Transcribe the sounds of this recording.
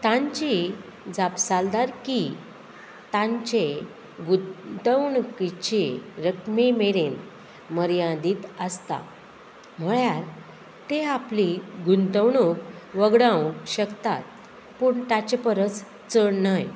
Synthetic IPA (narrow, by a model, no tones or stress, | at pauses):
t̪ãɲt͡ɕi | d͡zapsald̪aɾki | t̪ãɲt͡ɕe | ɡut̪əwɳkit͡ɕeɾəkmemeɾen | məɾjãd̪iːt̪əst̪a̰ | m̤əɭjaɾ | t̪eapliɡunt̪əwɳukʋəɡɽãwɕəkt̪a̰t̪̚ | puɳt̪at͡ɕepəɾət͡s | t͡səɳnaj